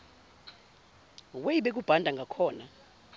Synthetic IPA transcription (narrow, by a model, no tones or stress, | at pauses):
wejiɓek̬ub̥ʱandʱaŋɡʱakʰɔːna